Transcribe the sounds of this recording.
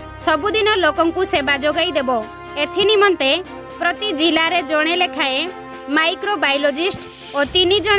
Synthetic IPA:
sɔbud̪inɔlokɔŋkusebad͡ʒoɡajd̪ebɔ | et̪ʰinimɔnt̪e | pɾɔt̪id͡ʒilaɾed͡ʒɔɽ̃elekʰaẽ | majkɾobajlɔd͡ʒisʈ | ot̪inid͡ʒɔɽ̃

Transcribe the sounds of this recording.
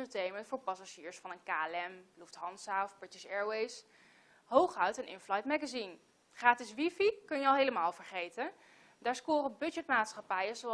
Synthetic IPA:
əɹtejməntfʊːɹpɑsaʒiːɹsfɑnənkaːɛlɛmbluftɦɑnsaɔfb̥ɹɪtɪsɛːɹwejs | ɦowχœɥtɛnʔɪ̰nflɑjtmɛɡazin | χraːtɪsʋifikɵnjəɑlˠɦejləmaːlˠvəɹχejtən | daːɹskʊːrənbɵd͡ʒɛtmaːtsχɑpɛjənzow

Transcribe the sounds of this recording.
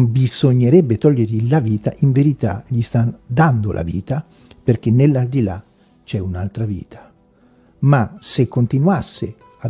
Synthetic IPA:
bizoɲːeɾɛbːet̪ɔʎːerʎilaviːt̪aʔiɱveɾit̪a̰ʎist̪ad̪and̪o̰lʔa̰vḭːt̪a | perk̟enːelːald̪ila̰ | t͡ʃɛunalt̪ɾavḭːt̪ʰḁ | masekːont̪inwasːe | a

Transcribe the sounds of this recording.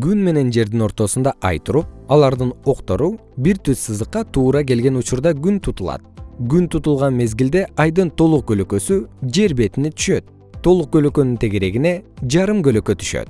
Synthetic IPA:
ɡynme̞ne̞nd͡ʒe̞ɾd̪ino̞ɾt̪o̞sund̪ɑʔɑ̰jt̪uɾup̚ɑlˠɑɾd̪ɯno̞qt̪o̞ɾu | biɾt̪yssɯzɯqːɑt̪ʰuːɾɑke̞lɡe̞nut͡ʃuɾd̪ɑɡynt̪ʰut̪ulˠɑ̰t̪̚ɡynt̪ʰut̪ulˠʁɑnme̞zɡild̪e̞ɑjd̪ɯnt̪ʰo̞lˠuq̚ɡøløkø̞syd͡ʒe̞ɾbe̞t̪init̪ʰy̥ʃø̞t̪̚ | t̪ʰːo̞lˠuq̚ɡø̞løkø̞nynt̪ʰeɡe̞ɾe̞ɡine̞d͡ʒɑɾɯmɡø̞lø̞kø̞t̪ʰy̥ʃø̰t̪

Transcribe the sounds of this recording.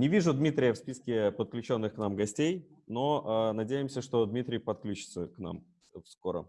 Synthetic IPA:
nʲɪvʲiʐʊd̪mʲit̪ɾʲɪjəfspʲiskʲɪpət̪̚klʲʉt͡ɕo̞nːɨxknamɡɐsʲtʲej | no̞ənɐdʲejɪmsʲəʂt̪o̞d̪mʲit̪ɾʲɪjpɐt̪klʲut͡ɕɪ̥t̪səkna̰m | fskoɾə̰

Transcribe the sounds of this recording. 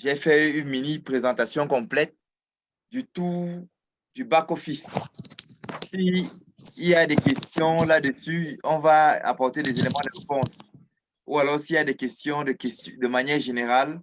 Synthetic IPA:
ʒɛfɛynminipχezɑ̃t̪asjɔ̃kɔ̃plɛt̪̚ | d̪yt̪u | d̪ybakofis | siː | ljad̪ɛkɛst̪jɔ̃lad̪əsyɔ̃vaa̰pɔʁt̪elɛzelemɑ̃d̪əʁepɔ̃s | ṵalɔʁsiiljad̪ɛkɛst̪jɔ̃d̪əkɛst̪d̪əmanjɛʁʒeneʁal

